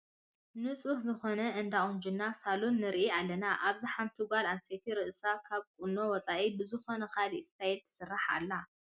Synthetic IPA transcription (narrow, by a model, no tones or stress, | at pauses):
nɨt͡sʼuhzɨxo̞nɐʔɨnd̪aχʼund͡ʒɪnːasalunːɨɾʔialːɐnaʔaβziħant̪ʰuɡʷalanset̪ʰiɾɨʔɨsakʰaβkʼuno̞wɔt͡sʼaʔibɨzɨxo̞nɐkalist̪ʰajɛlt̪ʰɨ̥sɨrːaħa̰lːa